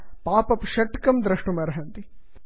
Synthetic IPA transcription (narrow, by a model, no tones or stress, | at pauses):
paːpɐpʃɐʈkɐmd̪ɾɐʂʈumɐɾɐɦɐnt̪i